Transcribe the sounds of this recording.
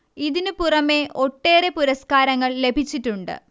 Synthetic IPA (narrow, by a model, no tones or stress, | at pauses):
iðinɨpurɐme̞ʔo̞ʈːe̞ːre̞puɾɐskaːɾɐŋːɐɭle̞bʱit͡ɕːiʈːuɳɖɨ̰